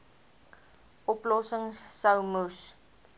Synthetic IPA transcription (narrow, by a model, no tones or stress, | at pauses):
ʔɔplɔsəŋsːəwmus